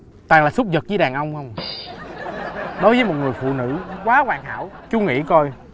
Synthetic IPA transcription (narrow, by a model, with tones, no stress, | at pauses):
t̪aː˨˩ŋlaː˨˩sʊ˦˥k͡p̚zə˨˩t̚zəː˨˦jɗaː˨˩ŋʔə˧wŋ͡mhə˧wŋ͡m | ɗo˨˦jvəː˨˦jmo˨˩t̚ŋɨ˨˩əjfṵ˧˨nɨ̰˧˥kwaː˨˦kwaː˨˩ŋha̰ː˧˥wt͡ɕu˧˦ŋḭ˧˥ko˧j